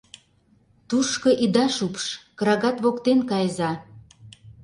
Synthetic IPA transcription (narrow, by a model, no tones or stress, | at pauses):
t̪uʃkɤ̆ʔid̪ɑʃupʃkɤɾɑɣɑt̪βokt̪enkɑjzɑ